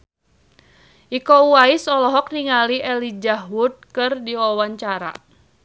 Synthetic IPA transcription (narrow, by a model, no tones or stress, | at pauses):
ʔikouaisɔlɔɦɔk̚niŋaliɛlid͡ʒaɦwut̪̚kɨrdiwawaɲt͡ʃaɾa̰